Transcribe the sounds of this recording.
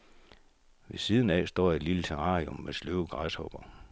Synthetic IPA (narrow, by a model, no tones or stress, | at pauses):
ʋe̝siːð̞ˠn̩ɛ̰sd̥ɒ̰ːid̥lilt͡sʰeʁɑ̰̈ːʁomːesløʊəɡ̥ʁɑshɒ̽b̥ɐ